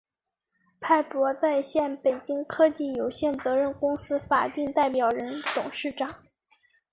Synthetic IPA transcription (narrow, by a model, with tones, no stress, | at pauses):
pʰa˥˩ɪpwɔ˧˥t͡sa˥˧ɪɕjɛ˥˩npe˨˩ɪt͡ɕi˥ŋkʰɤ˥t͡ɕi˥˩jo˨˩ʊɕjɛ˥˩nt͡sɤ˧˥ɻə˥˧˩nkʊ˥ŋsɹ̩˥fa˨˩t̪i˥˧ŋt̪a˥˩ɪpjɑ˨˩ʊɻə˧˥nt̪ʊ˨˩ŋʂɻ̩˥˩ʈ͡ʂɑ˨˩˦ŋ